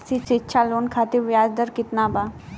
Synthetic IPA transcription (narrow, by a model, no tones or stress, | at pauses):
sisɪtːʃʰaːloːnkʰaːt̪eʋjaːd͡ʒd̪əɾkɪt̪naːbaː